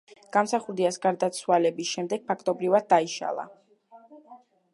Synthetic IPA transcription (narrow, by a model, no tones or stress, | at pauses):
ɡ̥amsaχuɾd̪iasɡaɾd̪at̪sʰwalɛbisʃɛmd̪ɛɡ̥̚pʰakʰt̪ʼɔbɾivad̪̚ːaiʃa̰lˠa̰